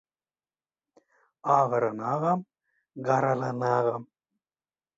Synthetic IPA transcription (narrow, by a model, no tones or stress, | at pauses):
aːʋɐɾɐnaːɣɐm | ɡɐɾɐlɐnaːɣɐm